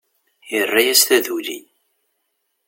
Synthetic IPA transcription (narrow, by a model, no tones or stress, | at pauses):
jərˤːajæsθæðuli